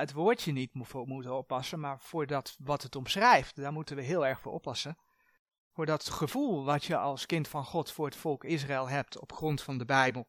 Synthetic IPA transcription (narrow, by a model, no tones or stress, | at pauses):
ətʋoːɹtənitmutfomutənɔpːɑsənmaːɹv̥ʊːɹdɑtʋɑtətɔmsrɛjftdaːɹmutənʋəɦɪːlˠɛɹχfʊːɹʔɔpːɑsən | vʊːɹdɑtχəv̥ulˠʋɑtjəʔɑlˠskɪntfɑnχɔtfʊːɹɦətfɔlˠkɪs̬raɛlˠɦɛp̚tʰɔ̰pχrɔntfɑndəbɛjbəlˠ